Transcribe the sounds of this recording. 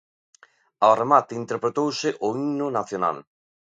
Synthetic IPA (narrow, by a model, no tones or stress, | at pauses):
aremat̪ɪint̪eɾpɾet̪owsɪʔoinʊnaθjona̰l